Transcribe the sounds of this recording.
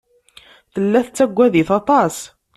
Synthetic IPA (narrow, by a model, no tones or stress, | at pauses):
θəlːæθət͡sːæɡʷːæðiθɑt̪ˤɑs